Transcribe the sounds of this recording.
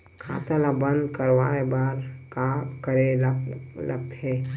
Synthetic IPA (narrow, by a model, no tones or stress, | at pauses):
kʰa̰t̪alabə̃nd̪kəɾʋaebaːɾkakəɾelləkt̪ɦe